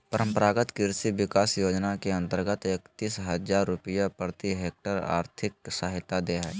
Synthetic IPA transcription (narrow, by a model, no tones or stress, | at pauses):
pəɾə̃mpəɾaːɡət̪kɪɾsiʋɪkaːsjoːd͡ʒnakeɐ̃nt̪əɾɡət̪eːkt̪iːsɦɐd͡ʒaːɾːʊpɪjapɾət̪iɦeːk̚ʈəɾa̰ːɾt̪ʰɪk̚saːɦɪt̪ad̪eːɦɛː